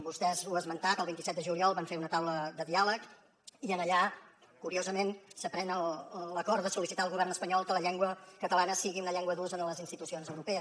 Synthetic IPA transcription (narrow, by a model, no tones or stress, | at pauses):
bust̪ɛzuəzmənt̪at̪əlˠβint̪isɛt̪d̪əʒuliɔlˠβaɱfeɾunət̪awləðəðialək | iənəʎa | kːuɾiozəmensəpɾɛnəlləkɔrt̪d̪əsulisit̪aəlˠɣuβ̞ɛrnəspəɲɔlˠkələʎɛŋɡwəkət̪əlanəsiɣiunəʎɛŋɡwəðuzənələzinst̪it̪usionzəwɾupɛə